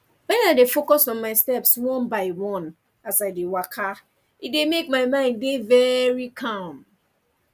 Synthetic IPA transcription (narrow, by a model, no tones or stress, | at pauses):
wɛ̃naɪdefokɔsɔ̃nmaɪstɛpswɔ̃nbaɪwɔ̃n | asaɪdewakʰa | it̚demekmaɪmãɪ̃ndevɛɹikʰãm